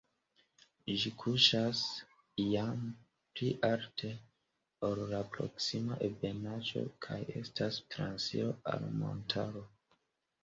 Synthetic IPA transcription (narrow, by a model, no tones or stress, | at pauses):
ʒikʰuʃas | ijam | pliʔaɾtʰe̞ | oɾlapɾo̞̰ksimaʔebe̞nad͡ʒo̞̰kʰaje̞̰stastɾansḭo̞a̰lmo̞̰ntʰaɾo̞